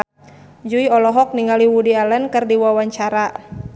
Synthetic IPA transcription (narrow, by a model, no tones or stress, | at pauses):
d͡ʒuiɔlɔɦɔk̚niŋaliwudialɛnkɨrdiwawaɲt͡ʃaɾa